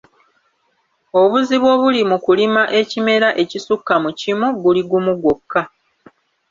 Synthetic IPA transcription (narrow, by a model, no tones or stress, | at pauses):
o̞βuziβwo̞ːβulimukulimaʔe̞cime̞ɾaʔe̞cisukːamucimoɡuliɡumuɡokːa